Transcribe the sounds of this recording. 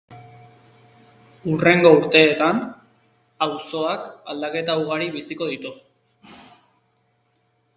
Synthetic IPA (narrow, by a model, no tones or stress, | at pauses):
ure̞ŋɡo̞uɾt̪e̞ːt̪an | awso̞akald̪ake̞t̪auɣ̞aɾiβisiko̞ðit̪u